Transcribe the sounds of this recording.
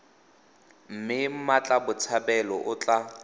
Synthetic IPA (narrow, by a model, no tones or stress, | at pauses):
m̩mɪm̩mat͡ɬʼabʊt͡sʰabɛlɔʔʊt͡ɬʼa